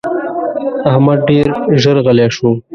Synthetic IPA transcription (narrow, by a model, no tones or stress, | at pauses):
ahmad̪̚ɖeːɾʒəɾɣəleʂu